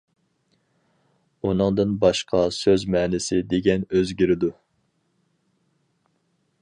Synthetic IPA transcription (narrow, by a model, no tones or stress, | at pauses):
unɨŋd̪ɨnbɑʃqʰɑsøzmɛːnɪsɪd̪eɡʲɛnøzɡʲiɾɪd̪u